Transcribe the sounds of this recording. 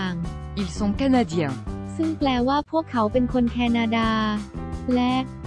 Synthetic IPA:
a˧ŋi˨lsɔ̃˧ka˧nad̪jɛ̃sɯ˥˩ŋplɛː˧waː˥˩pʰu˥˩əkʰːa˩˦wpe˧nkʰo˧nkʰɛː˧na˧daː˧ | lɛ˦˥k̚

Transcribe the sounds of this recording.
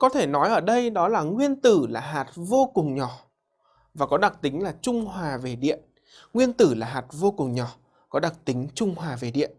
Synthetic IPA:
kɔ˨˦t̪ʰe˧˩nɔ˨˦jʔəː˧˩ɗə˧jɗɔ˨˦laː˨˩ŋwi˧ənt̪ɨ˧˩laː˨˩ɦaː˨˩t̚vo˧kʊ˨˩ŋ͡mɲɔ˧˩ | vaː˨˩kɔ˨˦ɗa˨˩k̚t̪ï˨˦ŋ̟laː˨˩t͡ɕʊ˧ŋ͡mɦwaː˨˩ve˨˩ɗḭ˧˨ən | ŋwi˧ənt̪ɨ˧˩laː˨˩ɦaː˨˩t̚vo˧kʊ˨˩ŋ͡mɲɔ˧˩ | kɔ˨˦ɗa˨˩k̚t̪ï˨˦ŋ̟t͡ɕʊ˧ŋ͡mhwaː˨˩ve˨˩ɗḭ˧˨ən

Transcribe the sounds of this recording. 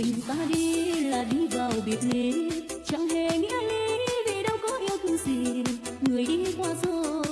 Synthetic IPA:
ï˨˩ŋ̟t̪aː˧ɗi˧laː˨˩ɗi˧vaː˨˩wɓi˨˩ət̚le˨˩ | t͡ɕa˧˨˩ŋɦe˨˩ŋḭ˧˥əli˧vi˨˩ɗə˨˧˦wkɔ˨˦ʔi˧əwt̪ʰɨ˧˩zi˨˩ | ŋɨ˨˩əjɗi˧˦kwaː˧zo˧˦

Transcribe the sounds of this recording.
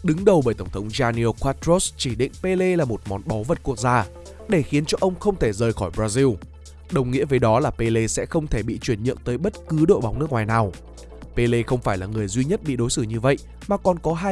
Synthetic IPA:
ɗɨ˨˦ŋɗə˨˩wɓəː˧˩jt̪ə˧˩wŋ͡mt̪ʰə˨˦wŋ͡mzaː˧ni˧ə˧kwaː˦˥t̪ɾo˦˥st͡ɕi˧˩ɗḭ̈˧˨ŋ̟pe˧le˧laː˨˩mo˨˩t̚mɔ˨˦nɓɔ˨˦və˨˩t̚ku˦˥ək̚zaː˧ | ɗe˧˩xi˨˦ənt͡ɕɔ˧ʔə˧wŋ͡mxə˧wŋ͡mt̪ʰe˧˩zəː˨˩jxɔ˧˩jɓɾaː˧zi˧w | ɗə˨˩wŋḭ˧˥əvəː˨˦jɗɔ˨˦laː˨˩pe˧le˧sɛ̰˧˥xə˧wŋ͡mt̪ʰe˧˩ɓḭ˧˨t͡ɕwi˧˩ənɲɨ̰˧˨ənt̪əː˨˦jɓə˦˥t̚kɨ˨˦ɗo̰˧˨jɓa˨˦wŋ͡mnɨ˦˥ək̚ŋwaː˨˩jnaː˨˩w | pe˧le˧xə˧wŋ͡mfaː˧˩jlaː˨˩ŋɨ˨˩əjzwi˧ɲə˦˥t̚ɓḭ˧˨ɗo˨˦jsɨ˧˩ɲɨ˧və̰˧˨j | maː˨˩kɔ˨˩nkɔ˨˦ɦaː˧

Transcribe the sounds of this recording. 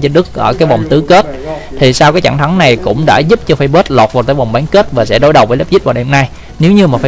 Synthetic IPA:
t͡ɕɔ˧nɗɨ˦˥k̚ʔəː˧˩kaː˨˦jva˨˩wŋ͡mt̪ɨ˨˦ke˦˥t̚ | t̪ʰi˨˩saː˧wkaː˨˦jt͡ɕa̰˧˩ŋt̪ʰa˨˦ŋna˨˩jkʊ̰˧˥ŋ͡mɗa̰ː˧˥zu˦˥p̚t͡ɕɔ˧fa˧jɓə˦˥t̚lɔː˨˩t̚vaː˨˩t̪aː˨˦jva˨˩wŋ͡mɓaː˨˦nke˦˥t̚vaː˨˩sɛ̰˧˥ɗo˨˧˦jɗə˨˩wvəː˨˦ləː˦˥p̚zi˦˥t̚vaː˨˩ɗɛ˧mna˧j | ne˨˦wɲɨ˧maː˨˩fa˧

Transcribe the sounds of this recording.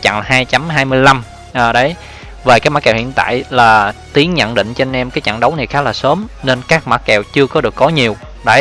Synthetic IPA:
t͡ɕa̰˧˨ŋhaː˧jt͡ɕa˨˦mɦaː˧jmɨ˧əjla˧m | ʔəː˨˩ɗə˨˦j | ve˨˩kaː˨˦˥jm˦˥kɛː˨˩whḭ˧˨ənt̪a̰ː˧˨jlaː˨˩t̪i˨˦ənɲə̰˧˨nɗḭ̈˧˨ŋ̟t͡ɕe˧nʔɛ˧mkaː˨˦jt͡ɕa̰˧˨ŋɗə˨˦wna˨˩jxaː˦˥laː˨˩səː˨˦mne˧nkaː˦˥k̚ma˨˦˥t̚kɛ˨˩wt͡ɕɨ˧əkɔ˨˦ɗɨ˨˩əkːɔ˨˦ɲi˨˩əw | ɗə˨˦

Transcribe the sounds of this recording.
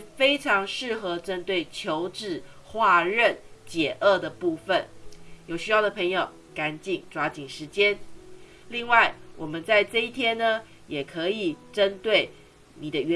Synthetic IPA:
fe˥ɪʈ͡ʂʰɑ˧˥ŋʂɻ̩˥˩xɤ˧˥ʈ͡ʂə˦˥nt̪we˥˩ɪt͡ɕʰjo˧˥ʊʈ͡ʂɻ̩˨˩ | xwa˥˧ɻə˥˨nt͡ɕjɛ˨˩ʔə˥˩d̪ə˩pu˥˩fə˨˩njo˨˩ʊɕy˥jɑ˥˩ʊd̪ə˩pʰe˧˥ŋjo˨˩ʊ | ka˧˥nt͡ɕi˥˩ŋʈ͡ʂwa˧˥t͡ɕi˨˩nʂɻ̩˧˥t͡ɕjɛ˥n | li˥˧ŋwa˥˩ɪwʔɔ˨˩mə˦nt͡sa˥˧ɪʈ͡ʂɤ˥˧i˥˩t̪ʰjɛ˥nːə˨ | jɛ˨˩kʰɤ˧˦i˨˩ʈ͡ʂə˥nt̪we˥˩ɪ | ni˨˩d̪ə˦ɛ˧˥

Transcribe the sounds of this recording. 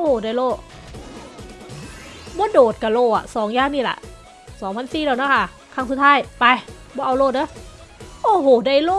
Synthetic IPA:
ʔo˧˩hoː˨˩da˧˩˨jloː˧˥˩ʔ | bɔː˧˥˦doː˨˩t̪̚ka˧˩loː˧˩a̰˨˩sɔː˩˦ŋjaː˧˥˩ŋniː˧˩la̰˧˩ʔ | sɔː˨˩˦ŋpʰa˧˥nsiː˨˩daː˧˩wna˧˥˩kʰa˧˥˩ | kʰaː˧˩ŋsu˧˦t̪ʰaː˧˥˩jpa˧j | bɔː˧˦ʔa˧wloː˧˩t̪̚dɤː˧˥˩j | ʔoː˧˩ɦoː˨˩da˧˩jloː˥˨

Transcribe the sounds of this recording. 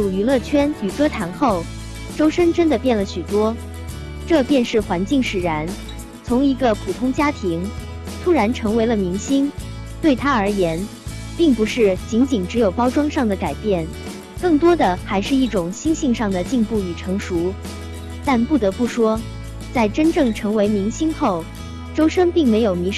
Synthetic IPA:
u˨˩y˧˥lɤ˥˩t͡ɕʰɥɛ˥ny˨˩kɤ˥t̪ʰa˧˥nxo˥˩ʊ | ʈ͡ʂo˥ʊʂə˥nʈ͡ʂə˥nd̪ə˨pjɛ˥˩nlə˩ɕy˨˩t̪wɔ˥ | ʈ͡ʂɤ˥˧pjɛ˥˧nʂɻ̩˥˩xwa˧˥nt͡ɕi˥˩ŋʂɻ̩˨˩ɻa˧˥n | t͡sʰʊ˧˥ŋi˧˥ɡə˧pʰu˨˩t̪ʰʊ˥ŋt͡ɕja˥t̪ʰi˧˥ŋ | t̪ʰu˥ɻa˧˥nʈ͡ʂʰɤ˧˥ŋwe˧˥ɪlə˧mi˧˥ŋɕi˥nt̪we˥˩ɪt̪ʰa˥ə˞˧˥jɛ˧˥n | pi˥˩ŋpu˧˥ʂɻ̩˥˩t͡ɕi˧˥ŋt͡ɕi˨˩ŋʈ͡ʂɻ̩˧˥jo˨˩ʊpɑ˥ʊʈ͡ʂwɑ˥ŋʂɑ˥˩ŋd̪ə˩ka˨˩ɪpjɛ˥˩n | kɤ˥˩ŋt̪wɔ˥d̪ə˨xa˧˥ɪʂɻ̩˥˧i˥˩ʈ͡ʂʊ˨˩ŋɕi˥nɕi˥˧ŋʂɑ˥˩ŋd̪ə˩t͡ɕi˥˧ŋpu˥˩y˨˩ʈ͡ʂʰɤ˧˥ŋʂu˧˥ | t̪a˥˧npu˥˩t̪ɤ˧˥pu˥˩ʂwɔ˥ | t͡sa˥˩ɪʈ͡ʂə˥nʈ͡ʂɤ˥˩ŋʈ͡ʂʰɤ˧˥ŋwe˧˥ɪmi˧˥ŋɕi˥nxo˥˩ʊ | ʈ͡ʂo˥ʊʂə˥ŋpi˥˩ŋme˧˥ɪjo˨˩ʊmi˧˥

